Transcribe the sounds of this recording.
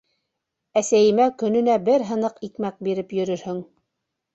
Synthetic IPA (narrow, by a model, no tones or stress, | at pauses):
æsæjɘ̆mækɵ̆nɵ̆næbɘɾɦɤ̆nɤqikmæk̚biɾɘpjɵ̆ɾɵɾhɵŋ